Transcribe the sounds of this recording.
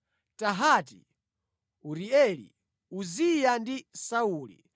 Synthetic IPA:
taɦati | uɾiɛlḭ | uzijandisauːlḭ

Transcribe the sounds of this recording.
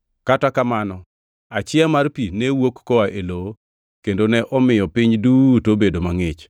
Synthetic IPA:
katakamanɔ | at͡ʃɪamarpinɛwokːoaʔeloo | kendonɛʔɔmɪjɔpɪɲdutobedomaŋɪt͡ʃ

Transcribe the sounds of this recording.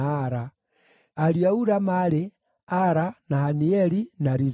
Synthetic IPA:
ɾa | aɾiauɾamaɾe | aɾanahaniɛɾinaɾiz

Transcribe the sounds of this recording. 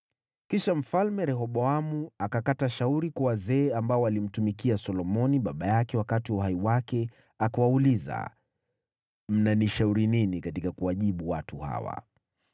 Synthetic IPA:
kiʃam̩falmɛɾɛɦɔɓɔamuakakataʃauɾikwawazɛːambaɔalim̩tumikiasɔlɔmɔniɓaɓajakɛwakatiwauɦaiwakɛ | akawauliza̰ | m̩naniʃauɾininikatikakuwaʄiɓuwatuha̰wa̰

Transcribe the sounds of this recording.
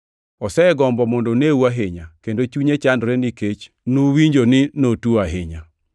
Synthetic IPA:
ɔsɛɡɔmbɔmɔndoneuaɦɪɲakendot͡ʃuɲet͡ʃandɾɛniket͡ʃ | nuwiɲd͡ʒonɪnotuaɦɪɲa

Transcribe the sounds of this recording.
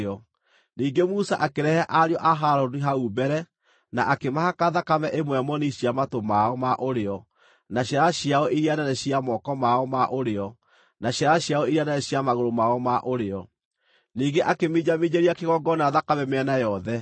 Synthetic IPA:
ɔ | niːɡemusaʔakeɾɛhɛʔaɾjɔʔaɦaɾɔdiɦaubɛɾɛ | naʔakemahakaðakamɛʔemwɛmɔniɕjamatomaɔmaʔoɾeɔ | naɕaɾaɕjaɔiɾiananɛɕiamɔkɔmaɔmaʔoɾeɔ | naɕjaɾaɕjaɔiɾiananɛɕiamaɣoɾomaɔmaʔoɾeɔ | niːɡeʔakemid͡ʑamiɲeɾiakeɣɔɡɔnaðakamɛmeɛnajɔðɛ

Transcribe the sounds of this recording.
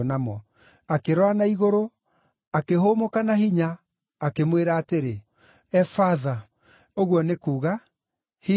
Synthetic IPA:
namɔ | akeɾwanaiɣoɾo | akeɦomokanaɦiɲaː | kemweɾaːteɾe | ɛfaða | oɣwɔnekuːɣa | hi

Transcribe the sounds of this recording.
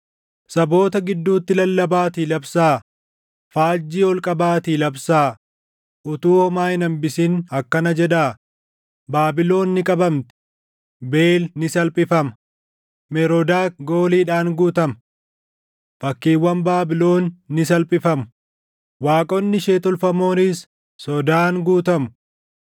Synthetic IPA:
sɐbo̞ːt̪ɐɡɪd̪ːuːt̪ːɪlɐlːɐbaːt̪iːlɐbsaː | faːd͡ʒːiːɔlkʼɐbaːt̪iːlɐbsaː | ʔʊt̪uːhɔmaːjɪnɐmbɪsiːnɐkːɐnɐd͡ʒɛᶑaː | baːbɪlo̞ːnːɪkʼɐbɐmt̪ɪ̥ | be̞ːlnɪsɐlpʼɪfɐmɐ | mɛɾɔd̪aːɡoːliːᶑaːŋɡuːt̪ɐmɐ | fɐkːiːwːɐmbaːbɪlo̞ːnːɪs̬ɐlpʼɪfɐmʊ | waːkʼɔnːɪʃeːt̪ɔlfɐmo̞ːnɪs | sɔd̪aːŋɡuːt̪ɐmʊ̥

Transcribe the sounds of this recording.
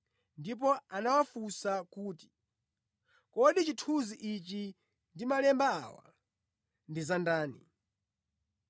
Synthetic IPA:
ndip̬ɔanawafusakuːti̥ | kɔɗit͡ʃitʰuziʔit͡ʃi | ndimalɛmbaa̰wa̰ | ndizandaːnḭ

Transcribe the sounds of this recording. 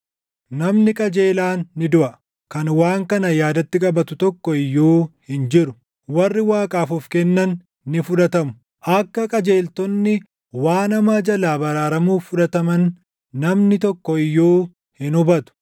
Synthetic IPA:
nɐmnɪkʼɐd͡ʒe̞ːlaːnːɪd̪ʊʔɐ | kɐnwaːŋkɐnɐjaːd̪ɐt̪ːɪkʼɐbɐt̪ʊt̪ɔkːɔɪjːoːhɪnd͡ʒɪɾʊ | wɐrːɪwaːkʼaːfʊfkɛnːɐnː | ɪfʊᶑ̪ɐt̪ɐmʊ̥ | ʔɐkːɐkʼɐd͡ʒe̞ːlt̪ɔnːɪ | waːnɐmaːd͡ʒɐlaːbɐɾaːɾɐmuːfʊᶑɐt̪ɐmɐnː | ɐmnɪt̪ɔkːɔɪjːoː | hɪnʊbɐt̪ʊ̥

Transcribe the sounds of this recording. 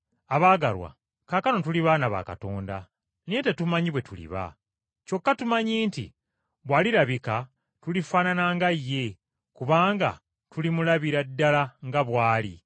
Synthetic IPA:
aβaːɡalwa̰ | kaːkano̞tuliβaːnaβa̰ːka̰to̞ːnda̰ | nijete̞tumaɲiβwe̞tulḭβa̰ | co̞kːatumaɲiːntḭ | βwaːliɾaβika | tulifaːnanaːŋɡajːe̞ | kuβaːŋɡa̰ | tulimulaβiɾadːalaŋɡaβwaːli

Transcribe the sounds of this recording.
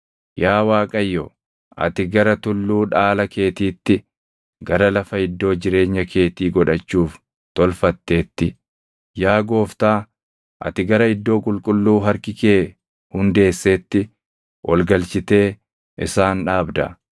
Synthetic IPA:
jaːwaːkʼɐjːɔ | ʔɐ̰t̪ɪɡɐɾɐt̪ʊlːuːᶑaːlɐke̞ːt̪iːt̪ːɪ | ɡɐɾɐlɐfɐɪd̪ːo̞ːd͡ʒɪɾe̞ːɲːɐkʰe̞ːt̪iːɡɔᶑɐt͡ʃːuːf | t̪ɔlfɐt̪ːe̞ːt̪ːɪ | jaːɡo̞ːft̪aː | ʔɐ̰t̪ɪɡɐɾɐɪd̪ːo̞ːkʼʊlkʼʊlːuːɦɐɾkɪkeː | hʊnd̪e̞ːsːe̞ːt̪ːɪ | wʔɔlɡɐlt͡ʃɪt̪e̞ː | ʔɪ̰saːnᶑaːbd̪ɐ̰

